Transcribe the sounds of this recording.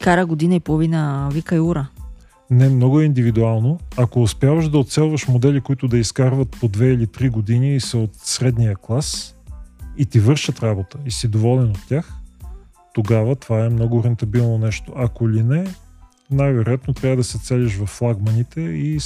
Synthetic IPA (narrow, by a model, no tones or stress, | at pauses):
kaɾəɡod̪inəipolˠovinəvikɐjuɾə | nɛmnɔɡʊɛind̪ivid̪ualˠnoɐkoːspjavəʃd̪ɐot̪sɛlˠvɐʃmod̪ɛlikoit̪ʊd̪ɐiskaɾvɐt̪̚pod̪vɛilit̪ɾiɡod̪iniːsɛot̪sɾɛd̪nijəklˠas | it̪ivɤɾʃət̪ɾabot̪əisid̪ovɔlɛnot̪tʲːax | t̪oɡavət̪ovaɛmnɔɡʊɾɛnt̪ɐbilˠnonɛʃt̪oʔɐkolinɛ | najvɛɾojat̪not̪ɾʲavəd̪ɐsɛt̪sɛlʲiʃ̬vɐfːlˠaɡmɐnit̪ɛi